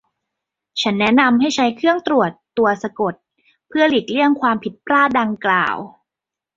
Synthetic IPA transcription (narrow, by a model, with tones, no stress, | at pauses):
t͡ɕʰa˦˥nːɛ˦˥na˧mɦa˥˩jt͡ɕʰa˦˥jkʰɯ˥˩əŋt̪ɾu˨˩ət̪ːu˧ɐsa˧ko˨˩t̪̚ | pʰɯ˥˩əli˨˩k̚li˥˩əŋkʰwaː˧mpʰi˨˩t̪̚pɾaː˥˩da˧ŋkla̰ː˨˩w